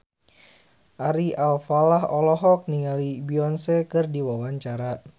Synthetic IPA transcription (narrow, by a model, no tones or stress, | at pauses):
ʔaɾiʔalfalaɦɔlɔɦɔk̚niŋalibiɔnsɛkɨrdiwawaɲt͡ʃaɾa